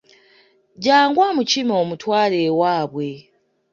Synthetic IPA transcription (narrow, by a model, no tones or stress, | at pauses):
ɟaːŋɡwamucimo̞ːmutwaːle̞waːβwe̞